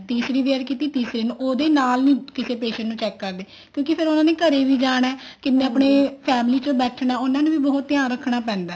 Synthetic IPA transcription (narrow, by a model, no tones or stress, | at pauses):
t̪iːsɾiːʋeɾkiːt̪iːt̪iːsɾeːnũːʔoːd̪eːnaːlnĩːkɪseːpeːʃə̃nʈnũːt͡ʃɛːkːəɾd̪eː | kjõːkɪpʰɪɾʊnãːneːkəɾeːʋiːd͡ʒaːɽ̃ɛːkɪnːeːəpɳeːpʰɛːmliːt͡ʃobɛːʈʰnaːʊnãːnũːʋiːbɔːt̪ːjãːɾəkʰːɳaːpɛ̃ːnd̪aː